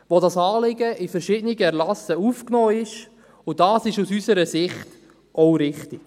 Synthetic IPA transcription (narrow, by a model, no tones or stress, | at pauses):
ʋodɑsɑːlɪɡəʔɪfɛɾʃɪːdəniɡəɛɾlɑsəufknɔːɪʃ | ʊd̥ɑːsɪʃusysəɾəsɪχt | ʔɔʊɾɪχtik